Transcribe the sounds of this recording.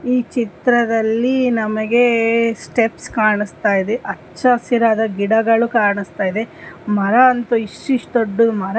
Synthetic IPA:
iːt͡ʃit̪ɾɐd̪ɐlːinɐmɐɡe̞sʈepskaːɳist̪aːjid̪eʔɐːt͡ʃːɐsjɐɾaːd̪ɐɡiɽɐɡɐɭukaːɾɳist̪aːjid̪emɐɾɐɐnt̪uiʂʈuiʂʈ̪oɖːumɐɾɐ

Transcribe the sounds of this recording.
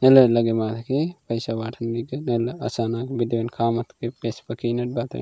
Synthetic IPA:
nelɐlɐɡemaːt̪ʰkipɐjsabaːʈʰɐnbiɡɐnelɐ̰saːnaːkbid̪ʋenkʰaːmɐt̪ʰkepespɐkinɐʈ̚baːt̪ʰɐ̰n

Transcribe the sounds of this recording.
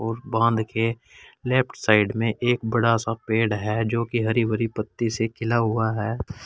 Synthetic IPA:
ɔːɾbãːnd̪ke | lɛːp̚ʈsaːɪɖmẽʔeːk̚bəɽasapeːɽɦɛd͡ʒoːkiɦɐɾiʋəɾipət̪ːisekʰɪlaɦʊaɦɛː

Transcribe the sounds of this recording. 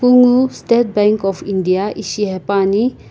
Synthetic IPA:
kuŋustet̚bɛ̃ŋkɔfindijaʔiʃiɦɛpani

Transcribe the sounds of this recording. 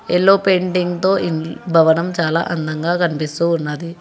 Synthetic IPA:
elːoːpeːɳɖiŋɡt̪o̞ːʔinbʱɐʋɐnɐmt͡ʃaːla̰ːʔɐnd̪ɐŋɡaːkɐnipist̪uːnːaːd̪i

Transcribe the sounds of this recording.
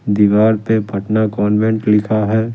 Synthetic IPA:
d̪iːʋaːɾpepɐʈnakɔːnʋɛ̃ɳʈlɪkʰaɦɛː

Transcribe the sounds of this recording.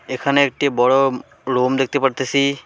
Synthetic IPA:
ekʰaneːk̚ʈibɔɹɔ | ɹomd̪ek̚ʰt̪epaɽt̪esi

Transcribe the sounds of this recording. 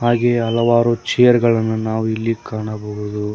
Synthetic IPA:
ɦaːɡeːɐlɐʋaːɾut͡ʃɛjɐɾɡɐɭɐnːunaːʋuilːikaːɳɐboɡud̪u

